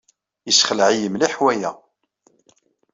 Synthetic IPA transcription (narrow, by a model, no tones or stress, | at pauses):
jəsχəlʕijəmliħwæjæ